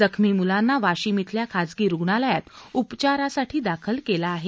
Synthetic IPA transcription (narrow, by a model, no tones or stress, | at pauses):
d͡zəkʰmiːmulanːaʋaɕimit̪ljakʰad͡zɡiːɾuɡɳaləjat̪upt͡ɕaɾasaʈʰiːd̪akʰəlkelaːɦe